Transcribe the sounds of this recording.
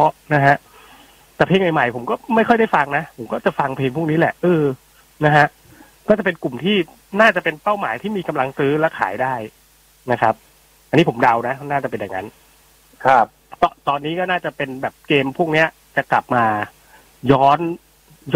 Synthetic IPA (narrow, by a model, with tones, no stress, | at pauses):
ɔ˦˥na˦˥ɦa˦˥ʔ | t̪ɛː˨˩pʰeː˧ŋma˨˩jma˨˩jpʰo˩˦mkɔː˥˩ma˥˩jʰxɔ˥˩jda˥˩jfa˧ŋna˦˥pʰo˩˦mkɔː˥˩t͡ɕa˨˩fa˧ŋpʰeː˧ŋpʰu˥˩kniː˦˥lɛ˨˩ʔʔɤː˧ | na˦˥ɦʰa˦˥ʔ | kɔː˥˩t͡ɕa˨˩p̬e˧nku˨˩mt̪ʰiː˥˩ | naː˥˩t͡ɕa˨˩pe˧npa˥˩wmaː˩˦jt̪ʰiː˥˩miː˧ka˧mla˧ŋsɯː˦˥lɛ˦˥wkʰa̰ː˩˦jdaː˥˩j | na˦˥kʰɾa˦˥p̚ | ʔa˧nːiː˦˥pʰo˩˦mda˧wna˦˥naː˥˩t͡ɕa˨˩p̬e˧nja̰˨˩ŋːa̰˦˥n | kʰa˦˥p̚kɔ˦˥˩t̪ɔː˧nːiː˦˥kɔː˥˩naː˥˩t͡ɕa˨˩pe˧nbɛː˨˩p̚keː˧mpʰu˥˩ək̚ni˦˥ɐ | t͡ɕa˨˩kla̰˨˩p̚maː˧ | jɔː˦˥n | j